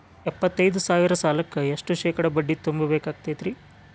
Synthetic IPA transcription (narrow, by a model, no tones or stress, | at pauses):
ɛpːɐt̪ːɐjd̪usaːʋiɾɐsaːlɐkːɐeʂʈuʃɛːkɐɽɐbɐɖːit̪umbɐbeːkaːɡ̚t̪et̪ɾi